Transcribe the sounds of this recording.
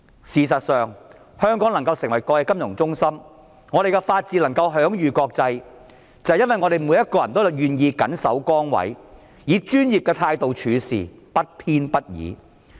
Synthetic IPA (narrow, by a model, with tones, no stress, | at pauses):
siː˨˩s̬ɐ˨t̚sœː˨ŋ | hœː˥ŋkɔː˨˥ŋlɐ˨˩ŋkɐ˧wsɪ˨˩ŋwɐ˨˩jkɔː˧jɛ˧kɐ˥mjʊ˨˩ŋt͡sʊ˥ŋsɐ˥m | ŋɔː˨˧ɾe˨jkɛ˧faː˧t̚t͡siː˧lɐ˨˩ŋkɐ˧wɦœː˨˥ŋjyː˨kɔː˧k̚t͡sɐ˧j | t͡sɐ˨jɐ˥nwɐ˨jŋɔː˨˧ɾe˨˩jmu˨˧jɐ˥t̚kɔː˧jɐ˨˩nt̪o˥wjɐ˨˩wjyː˨njiː˨˧kɐ˨˥nsɐ̰˨˥wkɔː˥ŋwɐ̰˨˥j | jiː˨˧˥t͡ʃyː˥njiː˨p̚kɛː˧t̪ʰaː˧jt̪o˨wt͡ʃʰyː˨˧sḭː˨˩ | pɐ˥t̚pʰiː˥npɐ˥t̚jḭː˨˥